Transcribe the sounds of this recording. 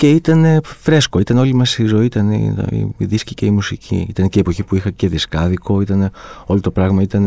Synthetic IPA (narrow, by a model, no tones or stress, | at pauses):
ce̞it̪ɐne̞fɾe̞skoit̪ɐneo̞limɐsizo̞iit̪ɐnḭḭiðisciceimusicʰḭit̪ɐneceepo̞çipuixɐce̞ðiskɐðiko̞it̪ɐneo̞lot̪opɾɐɣmɐit̪ɐne